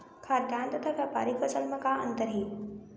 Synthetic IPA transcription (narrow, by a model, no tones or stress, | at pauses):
kʰaɾd̪jaːnt̪ɐt̪ʰaʋapa̰ːɾikʋɐsəlmɐkaːɐ̰nt̪əɾɦiː